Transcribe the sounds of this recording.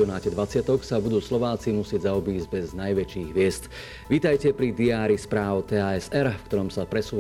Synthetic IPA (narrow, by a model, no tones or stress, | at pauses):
ɔnaːcɛd̪ʋat͡sɪat̪ɔksabud̪uːslɔʋaːt͡simusɪɛɟzaɔbiːzɟbɛznajʋɛt͡ʃiːɣʋɪɛst̪ | ʋiːt̪ajcɛpɾid̪iaːɾispɾaːʊt̪ɛaːɛsɛɾfkt̪ɔɾɔmsapɾɛsuː